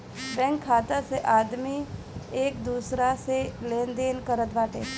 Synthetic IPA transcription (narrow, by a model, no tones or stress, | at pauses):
bɛ̃ŋkʰːaːt̪aseʔaːd̪mi | eːkd̪uːsɾaselẽːnd̪eːnkəɾət̪ʋaːʈeː